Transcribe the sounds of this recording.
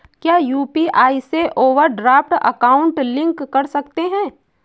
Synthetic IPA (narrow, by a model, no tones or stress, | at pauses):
kjaːjuːpiʔaːiseʔoːʋəɾɖɾaːfʈə̰kaːʊ̃ɳʈlɪ̃ŋkːɐɾsɐkt̪eɦɛ̃ː